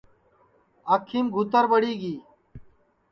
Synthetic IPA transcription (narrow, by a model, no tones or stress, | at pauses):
əkʰːiːmɡʱut̪əɾbəɽiːɡiː